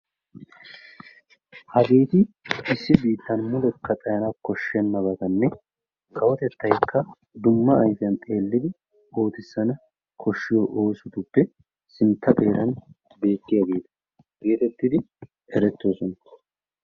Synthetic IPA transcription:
hɐbeːt̪ɪɪsːɪbiːt̪ːɐnmʊlɛkːɐt̪ʼɐjɐnakɔʃːɛnːɐbɐɡ̪ɐnːɛ | kɐwɔt̪ɛt̪ːɐjkːɐ | d̪ʊmːɐɐjfɪjɐnt̪ʼe̞ːlːɪd̪ɪ | o̞ːt̪ɪsːɐnɐ | kʰɔʃːɪjɔʔo̞ːsʊt̪ʊbːɛ | sɪnt̪ːɐpʼe̞ːɾɐn | be̞ːk̪ːɪjaɡe̞ːt̪ɐ̥ | b̥e̞ːt̪ɛt̪ːɪd̪ɪ | ɛɾɛt̪ːoːsɔnɐ

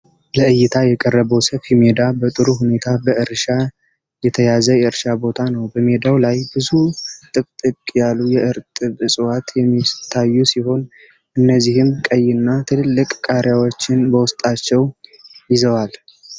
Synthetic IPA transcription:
ləʔɨjːɪt̪ʰajɛkʼərːəβəwsəfhime̞d̪abət̪ʼɨɾuɦune̞t̪ʰabəʔɨɾʃa | jɛt̪ʰəjazəjɛɨɾʃabo̞t̪ʰanəwbəme̞d̪awlajbɨzut̪ʼɨkʼt̪ʼɨkʼjalːujɛʔɨɾt̪ʼɨβɨsʼɨwat̪jɛmːit̪ʰajːusiho̞n | ʔɨnːəzːihɨmkʼəjːɪnːat̪ʰɨlɨlːɨkʼkʼaɾjawot͡ʃːɪnbəwʊst̪ʼat͡ʃːɛwjɪzəwal

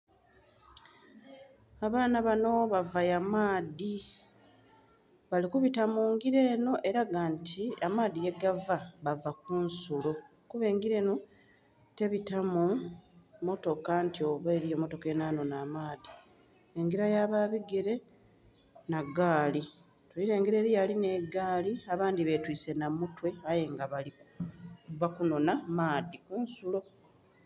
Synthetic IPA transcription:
aβaːnaβano̞βavajamaːði | βalikuβitamuːŋɡiɾe̞ːno̞ʔe̞ɾaɡantiamaːðije̞ɡavaβavakuːnsulo | kuβe̞ːŋɡiɾe̞ːno̞ | te̞βitamu | mo̞to̞kantio̞βeːɾijomːo̞to̞ke̞naːno̞naːmaːði | eŋɡiɾajaβaːβiɡe̞ɾe̞ | naɡaːli | tuliɾe̞ːŋɡiɾe̞ɾijaline̞ɡaːliaβaːnd̪iβe̞twiːse̞namutwe̞aje̞ŋɡaβalikkuvakuno̞namaːðikuːnsulo̞

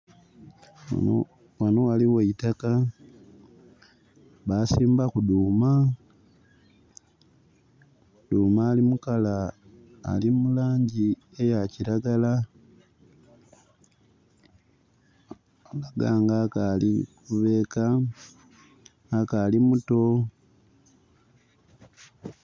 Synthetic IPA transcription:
wanowaliweitaka | βasiːmbakuduːma | duːmaːlimukala̰ː | limulaːɲɟi | ejaciɾaɡala | laɡaːŋɡakalikuβe̞ːka | kaːlimuto̞

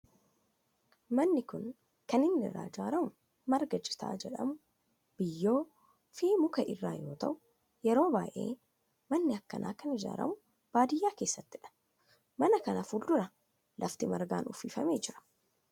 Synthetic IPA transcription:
mɐnːɪkʊn | kɐnɪnːɪ̰rːa̰ːd͡ʒaːɾɐmʊ | mɐɾɡɐd͡ʒɪ̥t̪a̰ːd͡ʒɛᶑɐ̰mʊ | b̥ɪjːo̞ː | fiːmʊkɐʔɪrːaːjo̞ːt̪ɐʔʊ | jɛɾo̞ːbaːʔe̞̰ː | mɐnːɪɐkːɐ̰nʔa̰ːkɐnɪd͡ʒa̰ːɾɐ̰mʊ | b̥aːd̪ɪjːaːkeːsːɐt̪ːɪᶑɐ̥ | mɐnɐkɐnɐfuːld̪ʊɾɐ | lʔɐft̪ɪmɐɾɡa̰ːnʔʊfːiːfɐme̞ːd͡ʒɪɾɐ̥

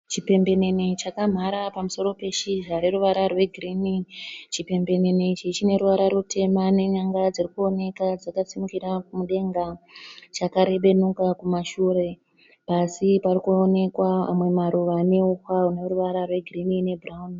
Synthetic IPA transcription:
t͡ʃipe̞mbe̞ne̞net͡ʃakam̤aɾapamuso̞ɾo̞pe̞ʃiʐaɾe̞ɾuʋaɾarwe̞ɡʱirinit͡ʃipe̞mbe̞ne̞net͡ʃit͡ʃine̞ɾuʋaɾaɾute̞mane̞ɲaŋɡad͡zirikuo̞ne̞kad͡zakasimukiɾakumuɗe̞ŋɡat͡ʃakaɾe̞ɓe̞nukakumaʃuɾe̞ | pasiparikuone̞kwaa̰mwe̞maɾuʋaneuxwauneɾuʋaɾarwe̞ɡʱirinine̞braun

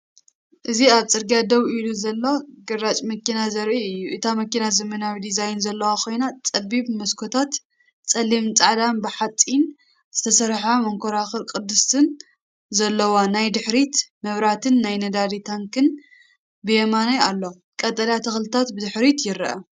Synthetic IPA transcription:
ʔɨziaβt͡sʼɨɾɡiad̪ɐβiluzɐlːoɡɨɾat͡ʃʼmɐkʰinazɐɾʔiɨjːuʔɨt̪ʰamɐkinazɐmɐnawid̪izajnzɐlːɐwakʰo̞jnat͡sʼɐbiβmɐskʰot̪ʰat̪ | t͡sʼɐlimt͡sʼaʕd̪anbɨħat͡sʼin | z̥ɨt̪ʰɐsɐɾħamɐŋkʰoɾaxɨlkʼɨd̪ːɨst̪ʰɨn | zɐlːɐwanajd̪ɨħɾit̪mɐβɾat̪ʰɨnːajnɐd̪ad̪it̪ʰaŋkɨn | bɨjɛmanajalːo | kʼɐt̪ʼɐlat̪ʰɐxlɨt̪ʰat̪bɨd̪ɨħɾit̪jɪɾʔɐ̰

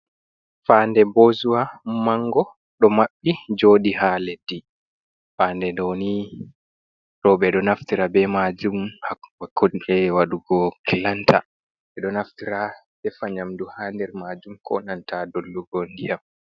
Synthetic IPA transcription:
faːndɛbozuwamaŋɡɔ | ɗɔmaɓːid͡ʒoːɗihaledi | faːndɛdɔni | ɗɔɓɛɗɔnaftiɾabɛmad͡ʒumhawakːoiɛwaɗuɡɔkilantʰa̰ | ɓɛɗɔnaftiɾaɓɛfaɲamduhaːndɛɾmaːd͡ʒumkʰɔ̰nantadolːuɡɔndijam

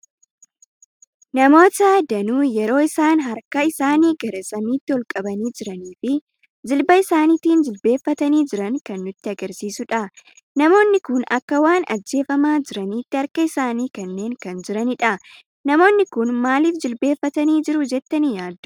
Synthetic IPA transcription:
nɐmo̞ːt̪ɐd̪ɐnuːjɛɾo̞ːɪsaːnɦɐɾkɐɪsaːniːɡɐɾɐsʼɐmiːt̪ːɪhɔlkʼɐbɐniːd͡ʒɪɾɐniːfɪ | d͡ʒɪlbɐɪsaːnit̪iːnd͡ʒɪlbe̞ːfːɐt̪ɐniːd͡ʒɪɾɐŋkɐnːʊt̪ːɪɐɡɐɾsiːsʊᶑɐ | nɐmo̞ːnːɪkʊnɐkːɐwaːnɐ̰d͡ʒːe̞ːfɐmaːd͡ʒɪɾɐniːt̪ːɪhɐɾkɐɪsaːniːkɐnːe̞ːŋkɐnd͡ʒɪɾɐnɪᶑɐ | nɐmo̞ːnːɪkʊnmaːliːfd͡ʒɪlbe̞ːfːɐt̪ɐniːd͡ʒɪɾʊd͡ʒɛt̪ːɐnjaːd̪ː

